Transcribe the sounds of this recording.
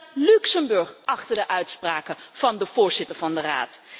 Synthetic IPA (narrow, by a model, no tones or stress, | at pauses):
lyksəmbɵɹχʔɑχtəɹdəʔœɥtspraːkəv̥ɑndəv̥ʊːɹzɪtəɹvɑndəra̰ːt